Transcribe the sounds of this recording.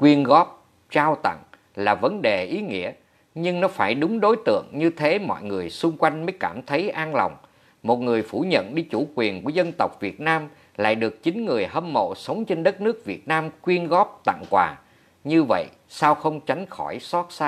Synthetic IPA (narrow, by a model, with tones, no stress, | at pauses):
kwi˧ənɣɔ˦˥p̚ | t͡ɕaː˧wt̪ə̰˧˨ŋ | laː˨˩və˨˦nɗe˨˩ʔi˨˦ŋḭ˧˥ə | ɲɨ˧ŋnɔ˨˦faː˧˩jɗʊ˨˦ŋ͡mɗo˨˦jt̪ɨ̰˧˨əŋɲɨ˧t̪ʰe˨˦mɔ̰˧˨jŋɨ˨˩əjsʊ˧ŋ͡mkwa˧jŋ̟mə˨˦jkaː˧˩mt̪ʰə˨˦jʔaː˧nla˨˩wŋ͡m | mo˨˩t̚ŋɨ˨˩əjfu˧˩ɲə̰˧˨nɗi˧t͡ɕu˧˩kwi˨˩ənku˧˩əzə˧nt̪ə˨˩wk͡p̚vi˨˩ət̚naː˧m | la̰ː˧˨jɗɨ˨˩ək̚t͡ɕï˨˦ŋ̟ŋɨ˨˩əjɦə˧mːo̰˧˨sə˨˦wŋ͡mt͡ɕe˧nɗə˦˥t̚nɨ˦˥ək̚vi˨˩ət̚naː˧mkwi˧ənɣɔ˦˥p̚t̪a̰˧˨ŋkwaː˨˩ | ɲɨ˧və̰˧˨j | saː˧wxə˧wŋ͡mt͡ɕa˨˦jŋ̟xɔ˧˩jsɔ˦˥t̚saː˧